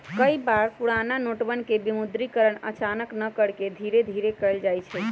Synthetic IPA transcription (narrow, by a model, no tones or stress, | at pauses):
kəjbaɾpuɽananoʈbənkebimud̪ɾikəɾəɳə̰t͡ʃanəknəkəɽked̪ʱiɾed̪ʱiɾekəld͡ʒajt͡ʃʰɛ